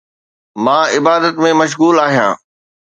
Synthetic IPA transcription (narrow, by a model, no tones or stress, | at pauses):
mãːɪbaːd̪ət̪mẽmɐʃ̬ɣuːlaːɦijã̰ː